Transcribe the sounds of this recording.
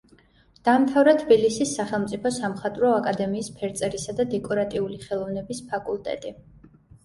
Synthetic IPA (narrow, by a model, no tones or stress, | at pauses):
d̪̥amt̪ʰavɾat̪ʰbilisisːaχɛlˠmt̪sʼipʰɔsamχat̪ʼɾɔakʼad̪ɛmiːspʰɛɾt̪sʼɛɾisad̪ad̪ɛkʼɔɾat̪ʼiuliχɛlˠɔvnɛbispʰakʼulˠt̪ʼɛ̰t̪ʼi